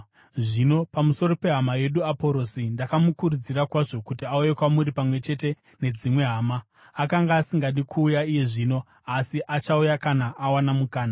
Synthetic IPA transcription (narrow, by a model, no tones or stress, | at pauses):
ʐino̞pamuso̞ɾo̞pe̞ɦamaje̞ɗuapo̞ɾo̞sindakamukurud͡zirakwaʐo̞kutiauje̞kwamuɾipamwe̞t͡ʃe̞te̞ | ne̞d͡zimwe̞ɦaːmaː | kaŋɡaːsiŋɡaɗikʰuːjaije̞ʐiːno̞ | asiʔat͡ʃaujakanaʔawanamukaːna